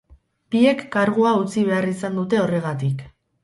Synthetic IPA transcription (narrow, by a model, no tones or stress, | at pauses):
pie̞kːaɾɣuaut͡siβ̞e̞arisand̪ut̪e̞o̞re̞ɣ̞at̪ik